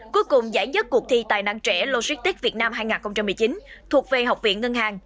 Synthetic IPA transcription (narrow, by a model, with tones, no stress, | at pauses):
ku˨˦jkʊ˨˩ŋ͡mzaː˧˩jzə˦˥t̚kək̚t̪ʰi˧t̪a̰ː˧˨jna̰ː˧˨ŋt͡ɕɛ˧˥˩lo˧si˦˥k̚t̪i˦˥k̚vi˨˩ət̚naː˧mɦaː˧jŋaː˨˩nxə˧wŋ͡mt͡ɕa˧mːɨ˨˩əjt͡ɕi˨˦n | t̪ʰu˨˩ək̚ve˨˩ɦa˨˩wk͡p̚vḭ˧˨ənŋə˧nɦaː˨˩ŋ